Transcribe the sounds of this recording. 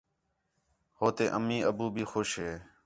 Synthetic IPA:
hoːt̪eːʔəmĩːəbuːbʱiːxoːʃɦeː

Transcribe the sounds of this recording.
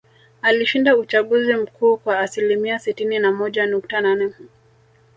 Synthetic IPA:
aliʃindaut͡ʃaɠuzim̩kʰuːkwaːsilimiasitininamɔʄanuk̚tananɛ

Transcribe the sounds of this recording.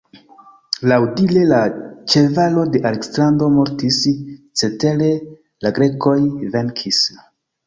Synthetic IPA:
lawdile̞lat͡ʃe̞valo̞de̞ʔaleksando̞mo̞ɾtist͡se̞te̞le̞ | laɡɾe̞ko̞jve̞ŋkʰis

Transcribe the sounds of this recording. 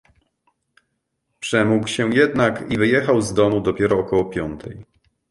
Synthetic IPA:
pʂɛmukwɕɛjɛd̪nakivɘjɛxawzd̪ɔmud̪ɔpʲjɛɾɔːkɔwɔpʲjɔnt̪ʰɛj

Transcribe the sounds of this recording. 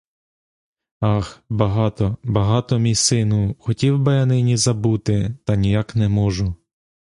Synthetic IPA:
ɑxbɐɦɑt̪ɔbɐɦɑt̪ɔmʲijsɪnuxɔtʲiwbɐjɐnɪnʲizɐbut̪ɪt̪ɐnʲijɑknɛmɔʒʊ

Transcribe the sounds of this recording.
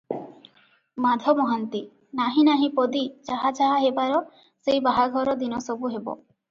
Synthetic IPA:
mad̪ʱɔmɔɦant̪i | naɦĩnaɦĩpɔd̪id͡ʒaɦad͡ʒaɦaɦebaɾɔ | sejbaɦaɡʱɔɾɔd̪inɔsɔbuɦebɔ̰

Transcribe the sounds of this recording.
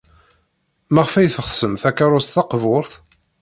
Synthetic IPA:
mæʁfæjθəʁsəmθækːaɾˤʊst̪θɑqvʊɾθ

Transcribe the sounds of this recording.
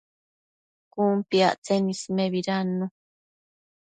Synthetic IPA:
kuːmpia̰ʔt͡senismeβiɾanːu

